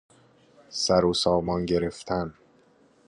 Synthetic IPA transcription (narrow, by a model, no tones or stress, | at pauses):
sæɾosɒːmɒnɟe̞ɾe̞ft̪ʰæn